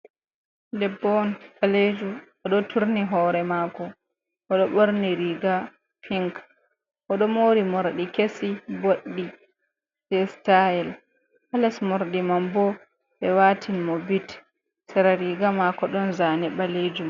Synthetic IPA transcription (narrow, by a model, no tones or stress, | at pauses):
dɛbːɔnbaled͡ʒu | ɔɗɔtʰuɾniɦɔːɾɛmakɔ | ʔɔɗɔɓoɾniɾiɡa | pʰiŋk | ʔɔɗɔmoɾimoɾɗikesiboɗːi | dɛstaɛl | ʔalɛsmoɾɗimambɔ | ɓɛwaːtʰinmɔbit | sɛɾaɾiɡamakɔɗɔnzanɛɓaled͡ʒum